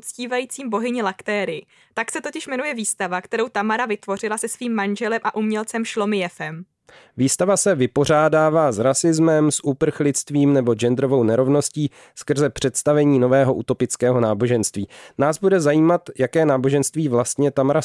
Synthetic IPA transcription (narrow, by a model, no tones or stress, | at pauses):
ut͡sciːvajiːt͡siːmbo̞ɦɪɲɪlakt̪ɛːɾɪɪ | t̪aksɛt̪ocɪʃmɛnujɛviːst̪avakt̪ɛɾowt̪amaɾavɪt̪vo̞r̝ɪlasɛsviːmːanʒɛlɛmʔaʔumɲɛlt͡sɛmʃlo̞mɪjɛfɛm | viːst̪avasɛvɪpo̞r̝aːdaːvaːzɾasɪzmɛmsʔupr̩xlɪt͡st̪viːmnɛbo̞d͡ʒɛnd̪ɾo̞vo̞wnɛɾo̞vno̞sciː | skr̩zɛpr̝̥ɛt̪st̪avɛɲiːno̞vɛːɦo̞ʔṵt̪o̞pɪt͡skɛːɦo̞naːbo̞ʒɛnst̪viːnaːzbudɛzajiːmat̪jakɛːnaːbo̞ʒɛnst̪viːvlast̪ɲɛt̪amaɾa